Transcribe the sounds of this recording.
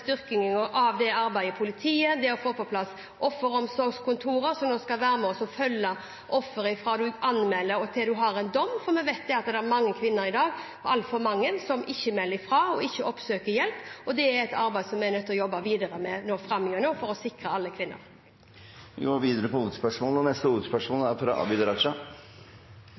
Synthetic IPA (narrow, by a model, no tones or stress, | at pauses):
st̪ʏɾkɪŋəŋɔʔɑʋd̪ɛɑɾbæɪəpʰʊlɪt̪ʰiːəd̪ɛɔfoːpɔpʰlɑsː | ʔɔfːəɾɔmsɔɾɡskʰʊnt̪ʰuːɾəɾsɔmnoːskɑlʋæːɾəmɛɔsɔfœlːə | ʔɔfːəɾɪfɾɑːd̪ʉʔɑnmɛlːəɾɔt̪ʰɛd̪ʉɦɑɾɛnd̪ɔmːfɔɾmɛʋæɪt̪̚d̪ɛɑt̪̚d̪ɛæɾmɑŋːəkʰʋɪnːəɾɪd̪ɑːɡ | ɔɑlfɔɾmɑŋːənsɔmʔɪçːəmɛlːɪfɾɑːɔɪçːəʔɔpsøːkəɾjɛlpɔd̪ɛæɾɛt̪ʰɑɾbæɪd̪sɔmːænœt̪ːɔjɔbːəʋiːd̪əɾəmɛnoːfɾɑmːjøːnoːfɔɾɔsɪkɾəɑlːəkʰʋɪnːə̰ɾ | ɪɡoːʋiːd̪əɾəpɔuːt̪spœʂmoːlɔnɛst̪əuːt̪spœʂmoːlæɾfɾɑ̰ʔɑ̰bɪd̪əɾɑʂɑ